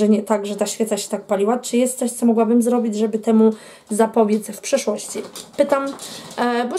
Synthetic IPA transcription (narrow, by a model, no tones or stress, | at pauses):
ɛɲɛt̪aɡʐɛt̪aɕfʲɛt̪saɕɛ̥t̪ak̚palʲiwat͡ʂɘjɛst̪sɔɕt̪sɔmɔɡwabɘmzɾɔbʲid͡ʑʐɛbɘt̪ɛmu | zapɔbʲjɛt̪sfpʂɛʂwɔɕt͡ɕipɘt̪am | bɔ